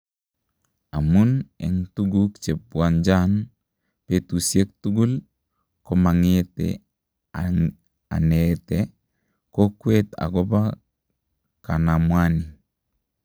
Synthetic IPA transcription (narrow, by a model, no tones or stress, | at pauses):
amunḛŋtuɡukt͡ʃep̚buand͡ʒan | petusiek̚tuɡul | komaŋetḛ | a̰nete | kokweta̰ɡoba | kanamwani